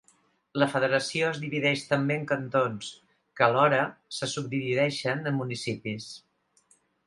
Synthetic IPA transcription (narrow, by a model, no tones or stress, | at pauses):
ləfəðəɾəsioəzðiβiðɛʃt̪əmbeəŋkənt̪ons | kəːlɔɾəsəsub̚d̪iβiðɛʃənəmːunisipis